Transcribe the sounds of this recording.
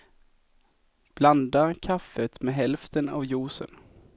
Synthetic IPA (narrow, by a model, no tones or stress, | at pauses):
b̥land̪aɾkʰafːət̪mɛɦɛlft̪əna̰vjuːsə̰n